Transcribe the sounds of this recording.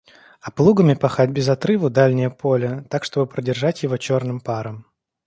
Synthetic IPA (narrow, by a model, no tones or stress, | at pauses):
ɐplˠuɡəmʲɪpɐxatʲbʲɪzɐt̪ɾɨvəd̪alʲnʲɪjəpʰo̞lʲət̪akʂt̪o̞bɨpɾədʲɪrʐatʲjɪvo̞t͡ɕo̞rnɨmpaɾəm